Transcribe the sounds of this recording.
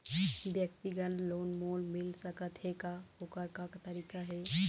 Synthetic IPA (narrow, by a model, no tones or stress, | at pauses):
bjəkt̪iɡənloːnmolmilsəkət̪ɦekaokəɾkakt̪ɐɾiːkaɦe